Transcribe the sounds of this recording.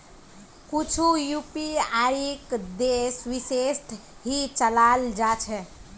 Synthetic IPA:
kut͡ʃʰujupiaɾikd̪esʋisesʈ̪ʰɦit͡ʃəlald͡ʒat͡ʃʰɛ

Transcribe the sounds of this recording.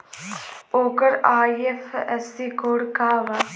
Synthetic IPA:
oːkəɾaːiefɛsikoːɽkaːʋa

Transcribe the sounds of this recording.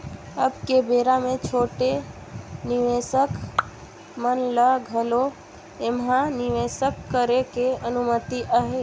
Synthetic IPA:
əbkebeːɾamẽt͡ʃʰoːʈe | nɪʋeːsək | mənləɡʱəlo | emɦãnɪʋeːsəkːəɾekeənʊmət̪iʔaɦe

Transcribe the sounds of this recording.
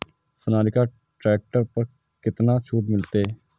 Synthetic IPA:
sʊnaːɾɪkaː | ʈɾɛːk̚ʈəɾpəɾ | kɪt̪naːt͡ʃʰuːd̪mɪlt̪eː

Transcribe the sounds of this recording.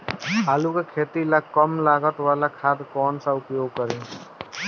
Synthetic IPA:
ɦaːlukekʰeːt̪ilakəmlaːɡət̪ʋaːlakʰaːd̪kɔːnsaʊpjoːɡ̚kəɾẽ

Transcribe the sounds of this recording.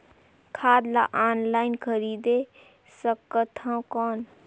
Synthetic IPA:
kʰaːd̪la̰ʔaːnlaːɪnkʰəɾiːd̪e | səkːət̪ʰãkɔːn

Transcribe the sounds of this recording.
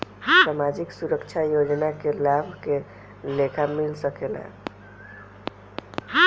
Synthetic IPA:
samad͡ʒiksuɾəkt͡ʃʰajod͡ʒnakelabʱke | lekʰamilsəkelɛ̰̃

